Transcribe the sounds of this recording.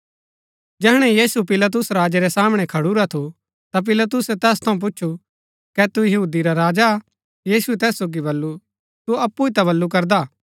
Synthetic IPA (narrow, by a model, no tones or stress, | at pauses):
d͡ʒɛɦɽ̃ɛjiːsupɪlat̪̬ʊsɾaːd͡ʒeɾɛsaːməɽ̃ɛkʰɐɽuɾat̪ʰu | t̪ap̬ɪlat̪̬ʊsɛt̪ɛːst̪ʰɐũp̬ʊtːʃʰu | kɛt̪ujɐɦuːd̪iɾaɾaːd͡ʒa | jiːsuɛt̪ɛːsːoːɡibɐlːu | t̪uɐpːuit̪aβɐlːukɐɾd̪a